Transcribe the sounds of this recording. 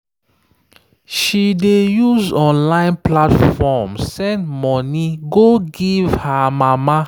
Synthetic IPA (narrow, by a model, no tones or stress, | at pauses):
ʃidejuzɔ̃nlãɪ̃nplatffɔmssɛ̃ndmɔniɡoɡivhamama